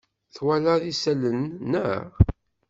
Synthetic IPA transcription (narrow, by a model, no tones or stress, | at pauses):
θwælæðisælənːəʁ